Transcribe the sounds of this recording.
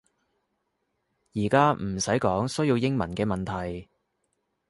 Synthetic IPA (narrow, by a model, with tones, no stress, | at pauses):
jiː˨˩kaː˥m̩˨˩sɐ˨˥jkɔː˨˥ŋsɵ˥ɥjiː˧wjɪ˥ŋmɐ˨˩nkɛː˧mɐ˨nt̪ʰɐ˨˩j